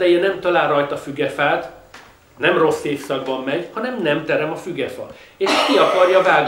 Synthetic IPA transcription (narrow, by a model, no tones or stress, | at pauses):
d̪ɛjɛnɛmt̪ɒlaːlrːɒjt̪ɒfyɡɛfaːt̪ | nɛmro̞sːeːfsɒɡ̚bɒmːɛɟhɒnɛmnɛmt̪ɛɾɛmɒfyɡɛfɒ̰eːʃkiɒkɒrjɒvaːɡ